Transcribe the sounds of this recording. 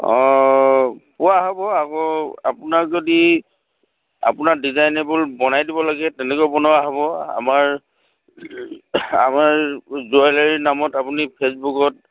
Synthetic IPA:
ɔ̃ | pʊwaɦɔbɔakɔa̰pʊnakzodi | a̰pʊnaɹdizajnɛbʊlbɔnajdibɔlaɡɛtɛnɛkojbɔnowaɦɔbɔa̰maɹ | amaɹzualaɹinamɔtapunipʰesbukɔt

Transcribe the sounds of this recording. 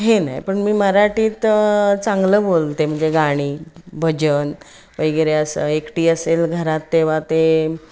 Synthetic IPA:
ɦenajpəɳmiːməɾaʈiːt̪t͡sãŋɡləːbolt̪em̤əɳd͡zeɡaɽ̃iːbʱəd͡ʑən | ʋəjɡeɾeəsəekʈiːəselɡʱəɾat̪ːeʋ̤at̪e

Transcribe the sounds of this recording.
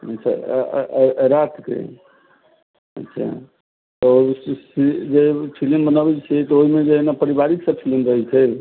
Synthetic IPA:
ə̰tːt͡ʃʰa̰ | ɾat̪ʰkḛ | ə̰tːʃʰa̰ | t̪sid͡ʒepʰilimbənəbɛt͡ʃʰɛt̪ɔoɦimed͡ʒenapəɾibaɾiksə̃pʰilimɾəɦɛt͡ʃʰɛ

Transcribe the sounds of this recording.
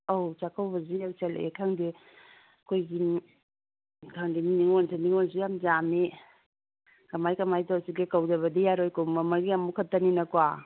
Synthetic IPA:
owt͡ʃakʰawbɐziawt͡ʃelḛekʰaŋdi | ɐkʰojɡi | kʰaŋdininiŋonsaniŋonsijamd͡ʒame | kɐmajkɐmajtɔasikekawd͡ʒɐβɐdijaɾojkomɐmɐɾɡiamukʰɐtːɐninɐkwa

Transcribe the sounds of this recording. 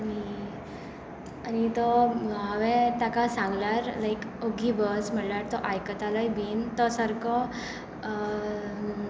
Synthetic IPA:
ani | añit̪ɔɦəʋet̪akasãŋɡlaɾlajkoɡʱibəsm̤əɽlaɾt̪ɔʔajkət̪alajbʱint̪ɔsəɾkɔ

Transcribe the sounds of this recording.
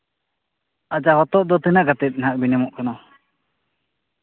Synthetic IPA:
ad͡ʒahɔt̪ɔʔd̪ɔt̪inaʔɡat̪ɛt̪̚ˀnɦaʔ̚binɛmɔʔkʰanɔ

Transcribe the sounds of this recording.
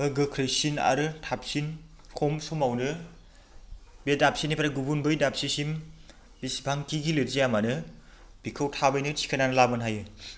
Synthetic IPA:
ɯɡɯkʰɾɯsina̰ɾɯtʰap̚sin | kʰɔmsomawnɯ | bedap̚sinipʰaɾaɡubunbɯjdap̚sisim | bisbʱaŋkiɡilɯɾzijamanɯ | b̥ikʰɯwtʰabɯjnɯtʰi̥kʰananɯlabɯnɦajɯ

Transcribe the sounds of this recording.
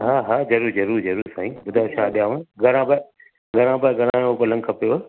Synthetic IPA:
ɦaːɦaːzɐɾuːɾzɐɾuːɾzɐɾuːɾsãːĩbʊd̪ʱaːʃʰaːɗijaːʋõɡʱɐɾãːba | ɡʱɐɾãːbaɡʱɐɾãːopɐlə̃ŋɡkʰɐpeoʋɐ

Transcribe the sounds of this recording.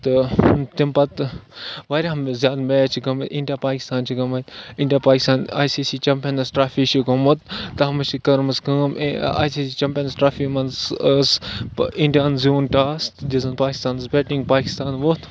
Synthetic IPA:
t̪ɨt̪impɐt̪ | ʋaːɾʲaːɐmzʲjaːd̪meːt͡ʃʰiɡɐmɐĩɳɖijaːpaːki̥st̪aːnt͡ʃʰiɡɐmɐt̪ʲiɳɖijaːpaːkist̪aːna̰ːjsiːsiːt͡ʃɐmpʲɐnɐsʈɾaːfiːʃikɐmɐt̪ːɐɦɐmɐt͡ʃikɐɾmɐskɐːma̰ːjsiːsiːt͡ʃɐmpʲɐnɐsʈɾaːfimɐnsəsiɳɖijaːnzjuːnʈaːst̪d̪izɐnpaːki̥st̪aːnɐspʲeːʈiŋɡpaːki̥st̪aːnʋot̪

